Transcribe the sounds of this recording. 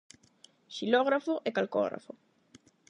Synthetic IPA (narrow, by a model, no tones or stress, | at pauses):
ʃiloɣɾafoʔekalko̰ɣɾa̰fo